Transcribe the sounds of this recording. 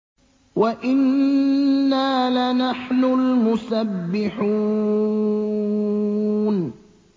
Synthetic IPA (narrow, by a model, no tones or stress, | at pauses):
waʔɪnː | aːlanaħnʊlmʊsabːɪħuː | n